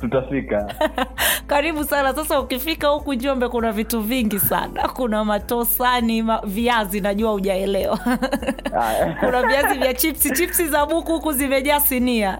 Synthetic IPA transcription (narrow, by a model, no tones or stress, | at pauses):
tutafika | kaɾiɓusanasasaukifikahukund͡ʒiɔmbɛkunavituviŋɡisa̰na̰kunamatɔsanimaviazinaʄuauʄaɛlɛwa | ajkunaviazivjat͡ʃipsit͡ʃipsizaɓukukuzimɛʄaːsinia